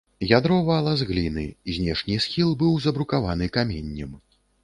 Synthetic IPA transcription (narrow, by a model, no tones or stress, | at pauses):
jad̪ɾɔvɐɐlˠazɣlʲinɨ̰zʲnʲɛʂnʲisxʲilˠbɨwzɐbɾukavan̪ɨkamʲenʲːɛm